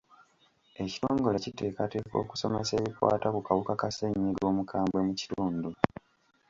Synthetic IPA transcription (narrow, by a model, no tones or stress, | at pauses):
e̞ci̥to̞ːŋɡo̞leciteːkate̞ːko̞̰ːku̥so̞mese̞ːβikwa̰ːtakukaβukakaseɲːiɡo̞ːmukʰaːmbwe̞muci̥tuːndu